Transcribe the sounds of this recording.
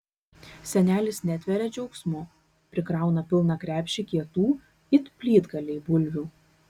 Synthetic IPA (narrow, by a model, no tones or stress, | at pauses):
sʲɛnʲæːlʲɪsnʲæt̪ʲʋʲɛɾʲɛd͡ʒʲɛʊksʲmʊ | pʲɾʲɪkɾɑˑʊnɐpʲɪlˠnɐkɾʲæːpʲʃʲɪkʲiɛt̪uː | ɪt̪pʲlʲiːd̪ɡɐlʲɛɪbʊlʲʋʲuː